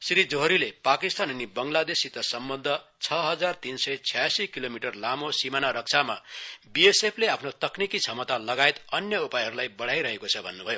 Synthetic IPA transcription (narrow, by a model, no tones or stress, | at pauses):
sɾid͡zoɦɾilepakist̪anʌnibʌŋlad̪esit̪asʌmbʌnd̪ʱʌt͡sʰʌɦʌd͡zart̪insʌjt͡sʰijasikilomiʈʌrlamosimanaɾʌk̚t͡sʰamabiesepʰleapʰnot̪ʌknikit͡sʰʌmʌt̪alʌɡaet̪ʌnjʌupajɦʌɾulajbʌɽ̤ajɾʌɦekot͡sʰʌbʱʌnːubʱʌjo